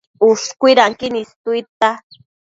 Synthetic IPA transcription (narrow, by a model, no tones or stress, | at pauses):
ʊʃkwiɾaŋkinist̪ujt̪a